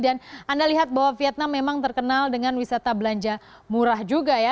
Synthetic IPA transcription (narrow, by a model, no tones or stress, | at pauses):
danandaliɦat̪̚baɦwafiat̪̚namːemaŋt̪ərkənaldəŋanwisat̪abəlaɲd͡ʒa | muɾahd͡ʒuɡaja